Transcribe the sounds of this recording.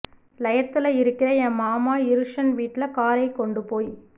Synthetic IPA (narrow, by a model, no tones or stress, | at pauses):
lɐjɐt̪ːɪlɐɪɾɯkːɪɾɐjɛ̃maːmaːɪɾɯʂɐnʋiːʈːɪlɐkaːɾɐɪkɔɳɖɯpoːj